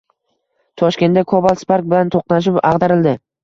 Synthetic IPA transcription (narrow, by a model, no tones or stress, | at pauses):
t̪ʰɒʃkʲe̞nt̪d̪akʰobalˠspaɾk̚bɪlant̪ʰoq̚naʃ̬ɪpɑʁd̪aɾɪld̪ɪ